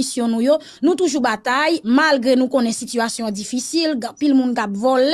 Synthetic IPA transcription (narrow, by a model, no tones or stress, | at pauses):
isjɔ̃nũjo | nũt̪uʒubat̪ajmalɡʁenũkõnɛ̃sityasjɔ̃d͡zifisilɡãpilmũnkapvol